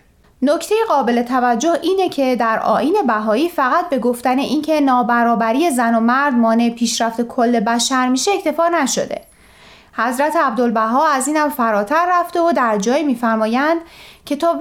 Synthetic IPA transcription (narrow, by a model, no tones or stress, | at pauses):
nocʰt̪ʰe̞jeɣɒːbe̞let̪ʰævæd͡ʒːo̞hʔiːne̞cʰe̞d̪æɾɒ̰ːʔiːne̞bæɦɒːiːfæɣæt̪̚be̞ɡo̞ft̪æne̞ʔiːncʰe̞nɒːbæɾɒːbæɾije̞zæno̞mæɾd̪̚mɒːne̞pʰiːʃɾæft̪e̞kʰo̞lːe̞bæʃæɾmiːʃe̞ːcʰt̪ʰe̞fɒːnæʃo̞̰d̪e̞̰ | hæzɾæt̪ʰeæbd̪olbæɦɒːæziːnæmfæɾɒːt̪ʰæɾːæft̪e̞od̪æɾd͡ʒɒːjiːmiːfæɾmɒːjænd̪̥cʰe̞t̪ʰɒː